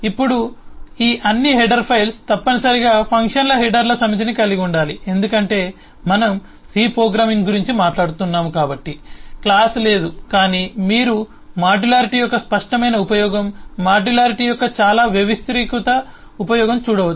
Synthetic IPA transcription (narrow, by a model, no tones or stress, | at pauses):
ipːuɽuiːʔɐnːiɦɛɖɐɾpʰɐjlst̪ɐpːɐnɐsɐɾiɡaːpʰɐŋkʂɐnlɐɦɛɖɐɾlɐsɐmɐt͡ʃ̪ɐnikɐliɡiuɳɖaːlie̞nd̪ukɐɳʈe̞ː | mɐnɐm | siːpɾoːɡɾaːmiŋɡuɾiɲt͡ʃimaːʈlaːɽut̪unːaːmukaːbɐʈːiklaːsle̞ːd̪ukaːniːmiːɾu | maːɖulaːɾiʈijɔkːɐspɐʂʈɐmɐjnɐupɐjɔːɡɐmːaːɖulaːɾiʈiːjɔkːɐt͡ʃaːlaːʋjɐʋist̪ɾiːkut̪ɐ | upɐjɔːɡɐmt͡ʃuːɽɐʋɐ